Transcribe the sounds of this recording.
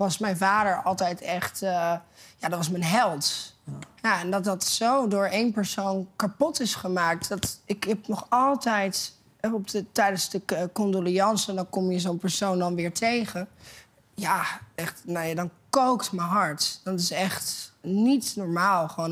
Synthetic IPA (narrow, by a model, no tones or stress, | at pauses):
ʋɑsmɛjnvaːdəɹɑlˠtɛjtɛχtː | jaːdɑtʋɑs̬mənɦɛlˠt | jaɛndɑt̚dɑtsowdʊːɹejnpəɹsownkapɔtɪsχəmaːk̚tdɑtɪkɦɛpnɔχɑlˠtɛjt | ɛɔpdətɛjdənzdəkɔndoliɑnsəndɑnkɔmjəzonpəɹsowndɑnʋɪːɹtʰejχən | jaɛχtnojadɑnkowktməɦɑɹtdɑtɪsɛχtnitnɔɹmaːlˠχʋoːn